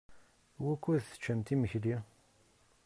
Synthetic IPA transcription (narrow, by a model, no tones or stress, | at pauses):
wækʷːuðθə̥t͡ʃːæmt̪iməçli